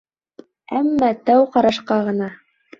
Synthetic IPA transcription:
æmːɑt̪æwqɑɾɑʃqɑʁɤ̆nɑ

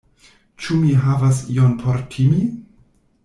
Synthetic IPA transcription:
t͡ʃumiɦavas̬ḭonpʰoɾtʰimi

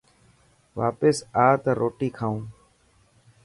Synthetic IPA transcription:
ʋaːpɪsaːt̪aːɾoːʈiːkʰaːũː

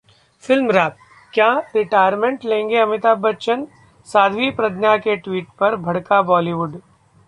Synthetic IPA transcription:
fɪlmɾaːp̚ | kjaːɾɪʈaːjəɾmẽɳʈlẽːŋɡeɐmɪt̪aːbɐtːʃən | saːd̪ʱʋipɾɐd̪njakeʈʋiːʈpɐɾbʱɐɽkabɔːliːʋʊɖ

